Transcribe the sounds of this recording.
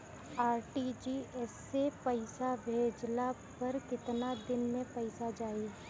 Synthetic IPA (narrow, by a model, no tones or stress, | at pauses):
aːɾʈid͡ʒiːɛsːepɐɪsabʱeːd͡ʒlapɐɾkɪt̪nad̪ɪnmẽpɐɪsad͡ʒaːi